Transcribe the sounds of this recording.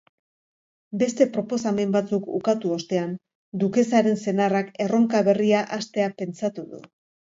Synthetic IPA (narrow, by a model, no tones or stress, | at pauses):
be̞st̪e̞pɾo̞po̞same̞mbat͡sukṵkat̪uost̪e̞an | d̪uke̞saɾe̞nse̞narake̞ro̞ŋkaβe̞riaʔast̪e̞ape̞nt͡sat̪uðṵ